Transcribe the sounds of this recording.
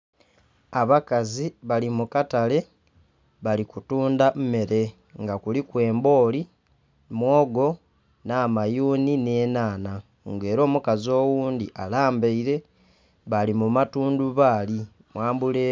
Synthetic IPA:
aβakaziβalimukatale̞ | βalikutuːndamme̞ɾe̞ | ŋɡakulikwe̞ːmbo̞ːli | mwo̞ːɡo̞ | naːmajuːnineːnaːna | ŋɡe̞ːɾo̞ːmukazio̞ːwuːndiʔalaːmbeiɾe̞ | βalimumatuːnduβaːli | mwaːmbuleː

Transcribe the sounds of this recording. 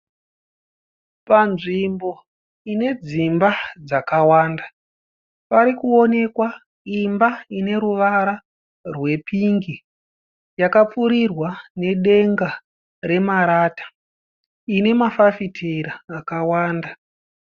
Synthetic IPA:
panʐimbo̞ | ine̞d͡zimbad͡zakawaːnda | paɾikuo̞ne̞kwa | imbaine̞ɾuʋaɾa | rwe̞pʰiŋɡi | jakap͡fuɾirwane̞ɗe̞ŋɡa | ɾe̞maɾaːtḁ | ine̞mafafitʰeɾaːkawaːnda

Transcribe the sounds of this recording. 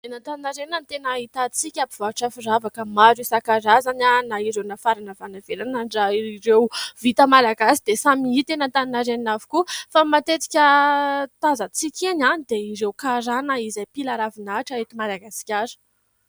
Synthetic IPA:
enat̪aninaɾeninant̪enait̪at͡sikʲapivaʈ͡ʂafiravakəmaɾisakaɾazananaiɾewnafaɾanəvanaveɾanaɳɖ͡ʐaiiɾewvit̪əmalaɡasid̪esamiit̪enat̪aninaɾeninavikufamat̪et̪i̥kʲət̪azət͡sikʲenanid̪eiɾewkaɾanaizajpilaɾavinaʈ͡ʂaet̪imalaɡasi̥kʲaɾə̥

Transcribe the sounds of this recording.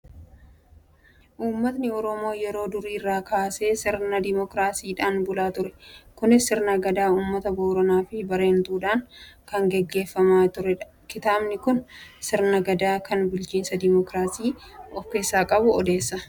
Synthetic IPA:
ʔuːmːɐt̪nɪɔɾɔmo̞ːjɛɾo̞ːd̪ʊɾiːrːaːkaːse̞ːsɪɾnɐd̪ɪmɔkɾaːsiːᶑaːnbʊlaːt̪ʊɾɛkʊnɪsɪɾnɐɡɐd̪aːuːmːɐt̪ɐboːɾɐnaːfɪbɐɾe̞ːnt̪uːᶑaːŋkɐŋɡɛɡːe̞ːfːɐmaːt̪ʊɾɛᶑɐ | kɪt̪aːbnɪkʊnsɪɾnɐɡɐd̪aːkɐnbʊlt͡ʃiːnsɐd̪ɪmɔkɾaːsiːɔfkeːsːaːkʼɐbʊɔd̪e̞ːsːɐ

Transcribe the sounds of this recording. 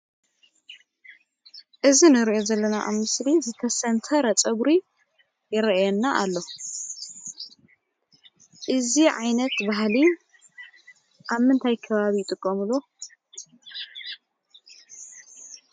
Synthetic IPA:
ʔɨzinɨɾiʔo̞zɐlːɐnaʔamɨslizɨt̪ʰɐsɐnt̪ʰɐɾɐt͡sʼɐβɾi | jɪɾɐjɛnːaʔa̰lːo | ʔɨziʕajnɐt̪baɦli | ʔaβmɨnt̪ʰajkʰɐβaβijːt̪ʼɨkʼːomɨlːo

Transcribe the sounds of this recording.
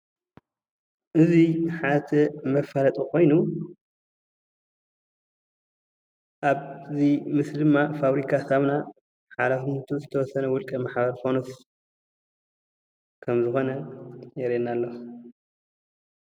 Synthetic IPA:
ʔɨziħat̪ʰɐmɐfalɐt̪ʼukʰo̞jnu | ʔaβzimɨsd̪ɨmːafaβɾikʰasaβna | ħalafimɨt̪ʰuzɨt̪ʰɐwɔsɐnɐwʊlkʼɐmaħbɐɾfonos | kʰɐmzɨxo̞nɐjɛɾenːalːo

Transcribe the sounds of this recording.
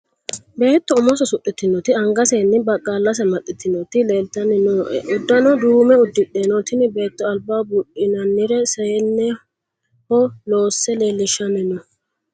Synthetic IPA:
be̞ːt̪ːɔʊmɔsɔsʊɗːɪt̪ːɪnːɔt̪ɪɐŋɡɐseːnːɪbɐkʼːalːɐs̬ɛmɐt̪ʼːɪt̪ːɪnːɔt̪ɪleːlt̪ɐnɪnɔʔɛ̰ʔʊd̪ːɐnɔd̪uːmɛʊd̪ːɪᶑeːnɔt̪ɪnɪbe̞ːt̪ːɔɐlbaːbʊɗɪnɐnːɪɾɛseːnːɛ | hɔloːsːɛle̞ːlːɪʃːɐnɪnɔ

